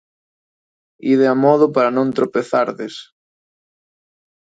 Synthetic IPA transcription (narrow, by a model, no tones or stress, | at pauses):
iðeamɔðʊpaɾanõnt̪ɾopeθaɾðes